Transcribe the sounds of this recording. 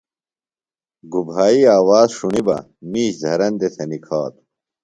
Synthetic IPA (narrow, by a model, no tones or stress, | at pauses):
ɡubʱaːiaːwaːzʂuɳibɐ̰ | miːɕd̪ʱɐɾɐnd̪et̪ʰɐnikʰaːt̪u̥